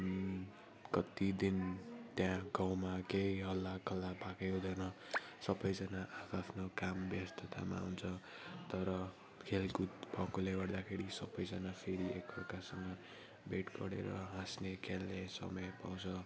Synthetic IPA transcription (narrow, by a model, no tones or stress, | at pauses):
kʌt̪id̪int̪jãɡaw̃makejɦʌlːakʌlːapakeod̪ʱʌnʌsʌbʌjd͡zʌnaʔakʰapʰnokambjʌst̪ʰʌt̪ʰa̰ma̰ɦunt͡sʰʌ | t̪ʌɾʌ | kʰelkut̪pʌkoleɡʌrd̪akʰeɾisʌbʌjd͡zʌnapʰeɾiekʌrkasʌŋːʌ | beʈkʌ̰ɽḛɾʌ̰ɦãsnekʰelːesʌ̰mʌjpa̰w̃t͡sʰʌ